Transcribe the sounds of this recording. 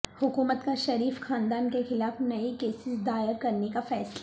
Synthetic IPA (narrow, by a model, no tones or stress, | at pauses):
hʊkuːmət̪kaʃɐɾiːfxãːnd̪aːnkexɪlaːfnɐikeːsɪsd̪aːɪəɾkɐɾnekafɛːsl